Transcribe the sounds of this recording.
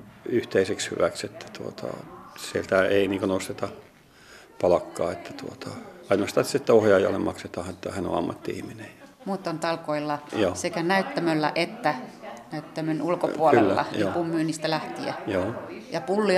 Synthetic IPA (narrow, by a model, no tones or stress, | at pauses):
yht̪eisekshy̰ʋækset̪ʰːæ̥t̪uot̪ʰɑ̰sielt̪æeiniːŋkønost̪et̪ɑ | pɑlɑkːɑːet̪ːæ̥t̪uot̪ʰɑɑinost̪ɑsit̪ːæohjɑːjɑ̰lːemɑkset̪ɑːhet̪ːɑhænõ̰ɑ̰mːɑt̪ːiḭhminejjɑ̥muːt̪ːont̪ɑlkoilːɑjoːsekænæyt̪ːæmølːæ̰ʔet̪ːænæyt̪ːæmønulkopuolkyḛllːæːɑ̰nikumːyːnist̪ælæht̪iæ̰joːjɑpulːi